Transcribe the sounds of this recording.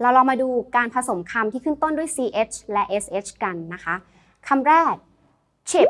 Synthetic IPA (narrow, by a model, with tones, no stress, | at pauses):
ɾaː˧wlɔː˧maː˧duː˧kaː˧npʰa˧so˩˦mkʰa˧mt̪ʰiː˥˩kʰɯ˥˩˨ŋt̪o˥˩ndu˥˩əjsiː˧ʔe˦˥t͡ɕʰlɛ˦˥ʔe˦˥sʔe˦˥t͡ɕʰka˧nːa˦˥kʰa˦˥ | kʰa˧mɾɛː˥˩k̚ | t͡ɕʰi˨˩